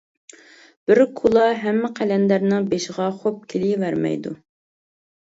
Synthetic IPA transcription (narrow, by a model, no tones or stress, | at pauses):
b̥ɪɾkʰulˠɑɦɛmːɪqʰælɛnd̪æɾnɨbeʃʁɑχop̚kʲʰelɪvæɾmɛ̰jd̪u